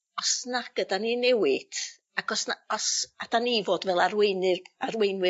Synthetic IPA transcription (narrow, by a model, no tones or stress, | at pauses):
ɔsnaɡ̥ədaninɛwɪd̥ | akɔsnaɔsad̥anivoːdvɛlˠarweɨnɨarwejnwɨ